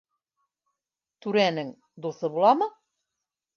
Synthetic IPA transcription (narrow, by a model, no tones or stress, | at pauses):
t̪ʉɾænɘŋ | d̪uθɤbulˠɑmɤ̆